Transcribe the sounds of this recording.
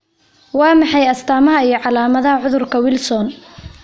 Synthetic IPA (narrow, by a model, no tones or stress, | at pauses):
wɑːmɑħɑjɐst̪ʰaːmɐɦɐijɞʕɑlaːmɐðɐɦɐʕʊðʊrkʰɐwɪlsɔn